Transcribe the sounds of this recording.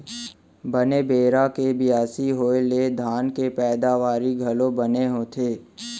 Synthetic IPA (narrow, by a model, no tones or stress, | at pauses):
bənebeːɾakebɪjaːsiɦoːeled̪ʱaːnkepɛːd̪aːʋaːɾiɡʱɐlõbɐneɦoːt̪ʰeː